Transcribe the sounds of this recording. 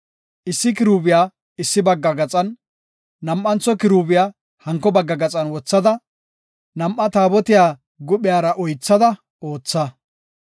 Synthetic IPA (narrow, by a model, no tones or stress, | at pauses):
ʔɪsːɪkɪɾuːbɪjaː | ɪsːɪbɐɡːɐɡɐt͡sʼɐnː | ɐmʔːɐnt͡sːɔkɪɾuːbɪjaː | hɐŋkːɔbɐɡːɐɡɐt͡sʼɐnwɔt͡sːɐd̪ɐ | nɐmʔːɐt̪aːbɔt̪ɪjaː | ɡʊɓɪjaːɾɐʔɔjt͡sːɐd̪ɐ | ʔo̞ːt͡sːɐ